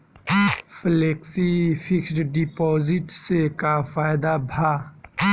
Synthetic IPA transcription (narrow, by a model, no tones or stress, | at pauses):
fʰleːksifʰɪksʈɖipɔːzɪʈsekafaːɪd̪abʱaː